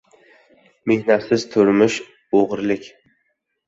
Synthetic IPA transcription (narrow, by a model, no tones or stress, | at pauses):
me̞hnat̪sɪz̥t̪ʰʊɾmʊʃ | oʁɾlɪkʲ